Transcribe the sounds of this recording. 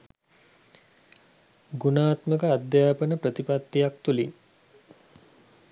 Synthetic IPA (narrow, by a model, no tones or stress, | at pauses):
ɡunaːt̪məkəad̪jaːpənəpɾət̪ipat̪ːijakt̪uliŋ